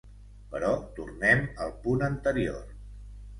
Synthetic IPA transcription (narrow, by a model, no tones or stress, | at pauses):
pəɾɔt̪urnɛməlˠpunənt̪əɾior